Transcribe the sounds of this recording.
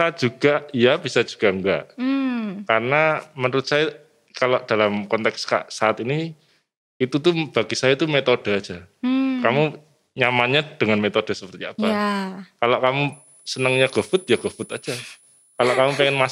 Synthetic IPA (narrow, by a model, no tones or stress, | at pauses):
ad͡ʒuɡ̥aʔjab̥isad͡ʒu̥ɡ̥aŋɡaʔ | kaɾənamənəɾʊt̪̚saja | kaloʔd̥alamkɔnt̪ɛkska̰ʔsaːt̪ini | it̪ut̪̬ub̥aɡisajat̪umet̪od̥ə̤ad̥d͡ʒ̥akamu | ɲamanɲad̥əŋanmet̪od̥ə̤səpərt̪iapakaloʔkamu | sənəŋɲaɡ̥ə̤fʊt̪̚jaɡ̥ə̤fʊt̪ḁd͡ʒa | kaloʔkamupeŋɛnma